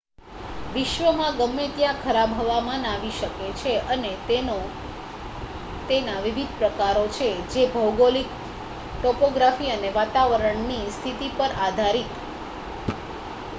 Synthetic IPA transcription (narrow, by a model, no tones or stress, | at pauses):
ʋɪʃʋəmãɡəmːet̪jãkʰəɾabʱɦəʋamãnaʋiʃəket͡ʃʰeəneo | t̪enaʋiʋid̪̚ʱpɾəkaɾot͡ʃʰed͡ʒebʱəwɡolik | ʈɔpoɡɾafiəneʋat̪aʋəɾəɳnist̪ʰit̪ipəɾad̪ʱaɾit̪